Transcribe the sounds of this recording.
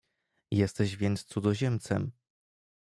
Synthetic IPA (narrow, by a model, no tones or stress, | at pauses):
jɛst̪ɛʑvʲjɛnt̪st̪sud̪ɔʑɛmt̪sɛm